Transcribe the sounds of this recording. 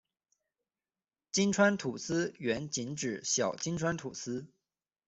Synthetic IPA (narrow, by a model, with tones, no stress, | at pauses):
t͡ɕi˥nʈ͡ʂʰwa˥nt̪ʰu˨˩sɹ̩˥ɥɛ˧˥nt͡ɕi˧˥nʈ͡ʂɻ̩˨˥ɕjɑ˨˩ʊt͡ɕi˥nʈ͡ʂʰwa˥nt̪ʰu˨˩sɹ̩˥